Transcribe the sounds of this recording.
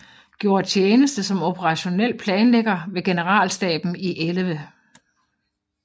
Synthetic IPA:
ɡ̥jo̝ɐt͡ɕʰeːnəsd̥əsɒ̽mo̝pʰəʁɑ̈ɕo̝nel̰pʰlɛːnleɡ̥ɐʋe̝ɡ̥e̝nəʁɑ̰̈ːlsd̥ɛ̰ːb̥n̩iʔelʋə

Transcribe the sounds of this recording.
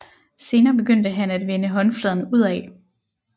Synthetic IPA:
se̝ːnɐːb̥e̝ɡ̥øn̰d̥əɦænæd̥ʋenəɦɒ̽nflɛð̞ˠn̩uð̞̰ˠɛ

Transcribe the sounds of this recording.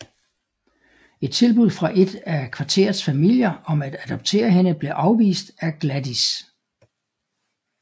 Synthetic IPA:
e̝d̥̚t͡sʰe̝lb̥uð̰ˠfʁɑ̈ʔe̝d̥ækʰʋɑ̈t͡sʰe̝̰ːɐð̞̩ˠsfæmil̰jɐɒ̽mæd̥æd̥ɒ̽b̥̚t͡sʰe̝̰ːɐɦe̝nəb̥le̝ʔɑ̈ʊʋḭːsd̥æɡ̥læd̥is

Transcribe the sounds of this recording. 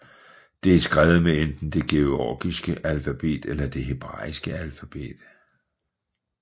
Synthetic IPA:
d̥e̝æsɡ̥ʁɛːʊð̩ˠmeend̥n̩d̥e̝ɡ̥e̝oɒ̰ːɡ̥isɡ̥əʔælfæb̥e̝̰ːd̥elɐd̥e̝ɦe̝b̥ʁɑ̰̈ːisɡ̥əælfæb̥e̝̰ːd̥

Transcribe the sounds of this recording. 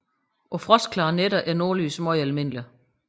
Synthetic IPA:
ʔɒ̽fʁɒskʰlɑ̈ːneɾɐʔæɐno̝ːɐlyːsmɒɪælme̝n̰li

